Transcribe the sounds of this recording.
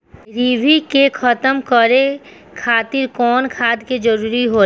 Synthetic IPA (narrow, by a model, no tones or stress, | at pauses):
ɾiːbʱikekʰət̪əmkəɾe | kʰaːt̪ɪɾkɔːnkʰaːd̪ked͡ʒəɾuːɾiɦo